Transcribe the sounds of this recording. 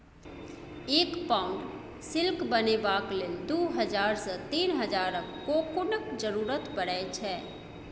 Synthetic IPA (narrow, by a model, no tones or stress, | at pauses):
eːkpaːʊɳɖ | sɪlkbənebaːkled̪oːɦəd͡ʒaːɾsət̪iːnɦəd͡ʒaːɾəkkːokʊnəkd͡ʒəɾuːɾət̪bəɽɛt͡ʃʰɛ